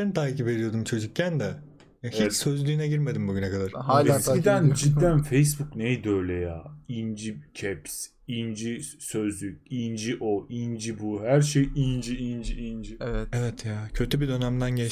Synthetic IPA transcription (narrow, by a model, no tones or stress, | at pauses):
ent̪ʰaːcipe̞d̪ijo̞d̪umt͡ʃʰo̞d͡ʒuk̚cʰːænd̪ɛ | jahicsø̞zlʲyːnɛɟiɾme̞d̪imbuɟynɛkad̪aɾaid̪ænd͡ʒid̪ːænfejsbuknejd̪øjlʲɛjaːind͡ʒicʰɛps | ind͡ʒisøzlʲyc̚ʲind͡ʒiʔoind͡ʒibuhæɾʃejind͡ʒiind͡ʒiind͡ʒievɛt̪ʰjaːcʰø̞t̪ʰybid̪ø̞næmd̪ænɟɛ